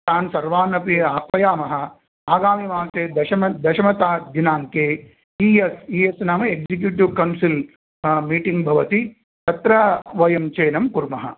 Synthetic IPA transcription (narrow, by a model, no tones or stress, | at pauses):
t̪aːnsɐɾʋaːnɐpiaːkʋɐjaːmɐɦɐ̆ | aːɡaːmimaːseːd̪ɐʃɐmɐd̪ɐʃɐmɐt̪aːd̪ʱinaːŋkeː | iːesiːesnaːmɐeɡd͡ʒik̬juʈiʋkɐnsil | miːʈiŋɡbʱɐʋɐt̪i | t̪ɐt̪ɾɐʋɐjɐmt͡ʃeːnɐmkuɾmɐɦɐ̰